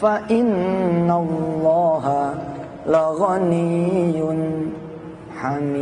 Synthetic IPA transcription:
faʔɪnːalːɑːɦa | laɣanɪjjʊn | ħami

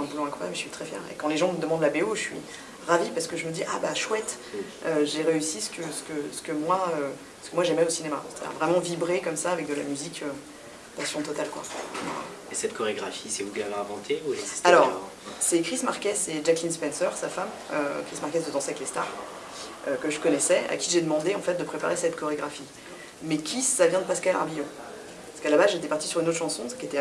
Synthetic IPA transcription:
ɛ̃bulõɛ̃kχwajabmə̥sɥit̪χɛfjɛ̰ʁḛkɑ̃leʒɑ̃məd̪əmɑ̃d̪labeoəsɥḭ | ʁavipaʁsə̥kəʒəməd̪iʔa̰baʃwɛt̪ | øʒeʁeysisə̥kʰəsə̥kəsə̥kəmwaø | sə̥kəmwaʒɛmɛosinemasɛ̥t̪ad̪ḭʁvʁɛmɑ̃vibʁekɔmsaːvɛk̚d̪əla̰myzikø | pasjɔ̃t̪ɔt̪alkwa̰a̰ | esɛt̪̚kɔʁeɡʁafisɛubjɛ̃laɛ̃vɑ̃t̪ʰeuɛ̥alɔʁ | sɛkχismaʁkʲɛseʒaklinspɛnsœʁsafam | ø̰kχismaʁkɛsd̪əd̪ɑ̃saɛklest̪a̰ʁ | økəʒəkɔnɛsɛʔa̰kʲiʒed̪əmɑ̃d̪eɑ̃fɛt̪̚d̪əpχepa̰ʁesɛt̪kɔʁeɡʁafi | mɛkʲʰisavjɛ̃d̪əpaskala̰ʁbijɔ̃ | ppaskalabazʒet̪ɛpaʁt̪i̥syʁynot̪ʃɑ̃sɔ̃skʲet̪ɛ

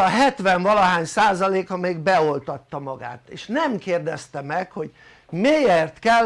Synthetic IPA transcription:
ɒɦɛt̪ʋɛɱvɒlɒɦaːɲsaːzɒleːkɒmeːɡbɛo̞lt̪ɒt̪ːɒmɒɡa̰ːt̪eːʃnɛmkeːrd̪ɛst̪ɛmɛkho̞ɟ | meːjert̪kɛ

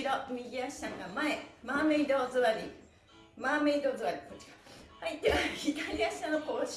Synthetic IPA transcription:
d̪omʲiɡʲiaɕi̥sãŋɡamaemaːmeid̪ozɨβaɾʲḭ | maːmeid̪ozɨβaɾʲikot͡ɕːi̥kḁhait̪ːeaçik̪aɾʲiaɕi̥sãnokoɕ

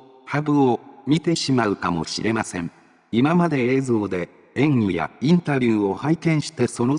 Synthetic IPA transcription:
habɯ̟omʲit̪e̞ɕimaɯ̟kamo̞̰ɕiɾʔe̞masẽ̞ɴ | imamad̪e̞eːzo̞ːd̪e̞ | ẽ̞ŋʲija̰ĩnt̪aɾʲjɯːo̞haikẽ̞ɰ̃ɕi̥t̪e̞so̞no̞

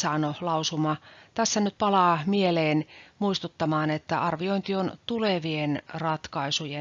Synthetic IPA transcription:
sɑːnolɑusumɑt̪æsːænyt̪̚pɑlɑːmieleːnmuist̪ut̪ːɑmɑːnet̪ːæʔɑrʋioint̪iont̪uleʋienrɑt̪kɑisuje

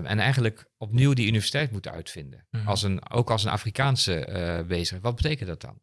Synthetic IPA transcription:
ʔɛ̰nɛ̰jχənləkɔpniwdiynifɛrsi̥tɛjtmutənœ̰ɥtfɪndəɑlˠsəno̰wkɑlˠsənʔa̰ːfrikaːnsəʋejzəəʋɑd̚bətejkəntdɑt̚dɑ̰n

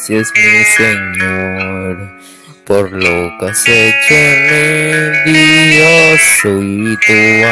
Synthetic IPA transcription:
sjesmiseɲoɾa | poɾlokaset͡ʃenid̪iosoit̪ua

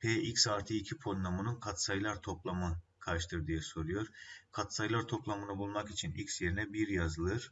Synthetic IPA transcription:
pʰeːicsaɾt̪ʰɯicʰipʰonːamɯnɯnkʰat̪sajlˠaɾt̪ʰo̞plˠamɯkʰaɾʃt̪ʰɯɾd̪ijɛso̞ɾujo̞ɾkʰat̪sajlˠaɾt̪ʰo̞plˠamɯnɯbulˠmakit͡ʃʰinicʲsje̞ɾinɛbiɾjazɯlˠɯɾ̥

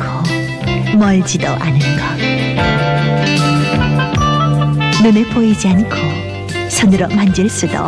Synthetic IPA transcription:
kʰo | mʌɭd͡ʑidoʔanɯnɡʌ | nɯnepoid͡ʑiankʰo | sʰʌnɯɾʌmand͡ʑɯɭs͈udo̰

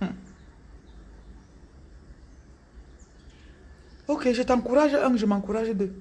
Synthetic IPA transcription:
okeʒət̪ãkuɾaʒəʔəŋʒəmãŋkuɾaʒəd̪ə

